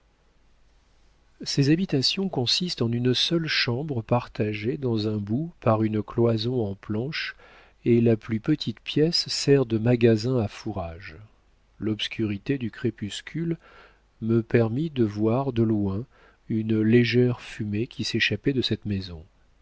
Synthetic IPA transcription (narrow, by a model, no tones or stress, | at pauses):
sezabit̪asjɔ̃kɔ̃sist̪ɑ̃nynsœlʃɑ̃bʁəpaʁt̪aʒed̪ɑ̃zɛ̃bupaʁynklwazɔ̃ɑ̃plɑ̃ʃ | elaplypət̪ʰit̪pjɛsːɛʁd̪əmaɡazɛ̃afuʁaʒ | lɔpskʲʰyʁit̪ed̪ykχepyskʲʰyl | məpɛʁmid̪əvwaʁd̪əlwɛ̃ | ynleʒɛʁfymekʲiseʃapɛd̪əsɛt̪mezɔ̃